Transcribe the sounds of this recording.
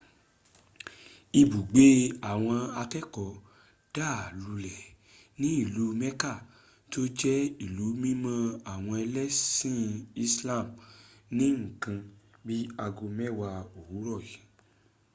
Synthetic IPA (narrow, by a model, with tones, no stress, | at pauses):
i˧bu˨ɡ͡be˦a˨w̃ɔ̃˧a˧kɛ˦kɔ˨ | d̥a˦˨lu˧lɛ˨ | nĩ˦i˦˨lu˨˦mɛ˦ka˦˨ | to˦d͡ʒɛ˦i˦˨lu˨˦mĩ˦mã˦a˨w̃ɔ̃˧ɛ˧lɛ˦sĩ˦i˧sla˦˨mnĩ˨˦ŋ̩˦˨kã˧ | bi˦a˧ɡo˧mɛ˦wa˧o˨wu˨˦ɾɔ˦˨i˨˦